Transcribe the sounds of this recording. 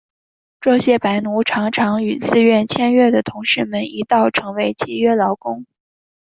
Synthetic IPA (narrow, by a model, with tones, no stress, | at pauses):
ʈ͡ʂɤ˥˩ɕjɛ˥pa˧˥ɪnu˧˥ʈ͡ʂʰɑ˧˥ŋʈ͡ʂʰɑ˧˥ŋy˨˩t͡sɹ̩˥˧ɥɛ˥˩nt͡ɕʰjɛ˥˧nɥɛ˥˩d̪ə˩t̪ʰʊ˧˥ŋʂɻ̩˥˩mə˨˩ni˧˥t̪ɑ˥˩ʊʈ͡ʂʰɤ˧˥ŋwe˧˥ɪt͡ɕʰi˥ɥɛ˥lɑ˧˥ʊkʊ˥ŋ